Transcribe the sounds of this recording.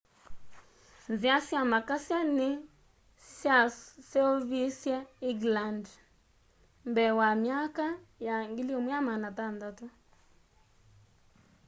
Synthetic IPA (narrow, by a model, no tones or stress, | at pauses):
nziasjamakasjanɪ | sjasɛovisjɛiɡland | mbɛwamjakajaŋɡiliomwamanatandatu